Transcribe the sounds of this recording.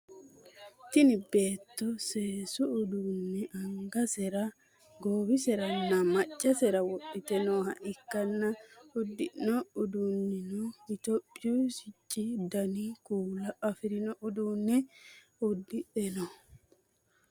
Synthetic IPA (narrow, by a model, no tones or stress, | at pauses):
t̪ɪnɪbeːt̪ːɔseːsʊːd̪unːɛʔɐŋɡɐsɛɾɐ | ɡoːwɪsɛɾɐnːɐmɐt͡ʃʼːɐsɛɾɐwɔʔːɪt̪ɛnoːɦɐ̰ʔɪkːɐnːɐʊd̪ːɪnːɔʊd̪unːɪnoɪt̪opʼːɪjuːsɪt͡ʃʼːid̪ɐnikuːlɐʔɐfɪɾɪnɔʔʊd̪uːnːɛ | ʊd̪ːɪᶑɛnɔ